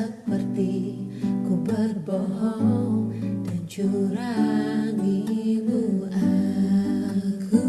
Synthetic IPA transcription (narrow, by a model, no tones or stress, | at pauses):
ə | mərt̪i | kubərbɔɦɔ | d̥and͡ʒuɾaŋiluʔa | ku